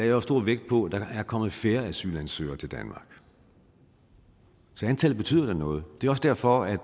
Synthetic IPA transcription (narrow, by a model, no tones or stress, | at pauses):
d̥ɑæɐɒsd̥o̝ɐ̰ʋeɡ̥̚d̥̚pʰɒ̽d̥ɑ̈æɐkʰɒ̽mð̩ˠfe̝ːɐæsy̰ːlænsø̰ːɐt͡sʰe̝ld̥ænmɑ̈ːɡ̥ | sɒ̽ænt͡sʰɛl̩b̥e̝t͡sʰy̰ːð̰ˠɐd̥enɔ̽ːð̞̩ˠd̥e̝ɐɒ̽sd̥æɐfɒæ̥